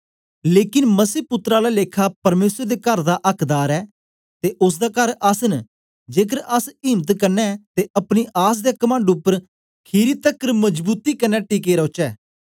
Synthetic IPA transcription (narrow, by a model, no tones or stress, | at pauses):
leːkɪnməsiːpʊt̪ɾaːlaleːkʰaːpəɾmeːsəɾd̪eːkəɾd̪aʔəkʰd̪aːɾɛː | t̪eːʔʊs̬d̪aːkəɾəsn | d͡ʒeːk̬əɾəsɪːmt̪kəɾnɛːt̪eəpniʔaːs̬d̪eːkəmãːɳɖʊpːəɾ | kʰiːɾiːt̪əkːəɾməd͡ʒbuːt̪iːkənːɛːʈiːkeːɾəʊt͡ʃɛː